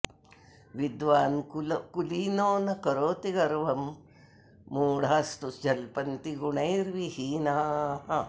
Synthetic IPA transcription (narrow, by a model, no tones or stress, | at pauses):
ʋid̪ʋaːnkuliːnoːnɐkɐɾoːt̪iɡɐɾʋɐmː | uːɽaːst̪usd͡ʒɐlpɐnt̪iɡuɳɐjɾʋihiːnaːɦɐ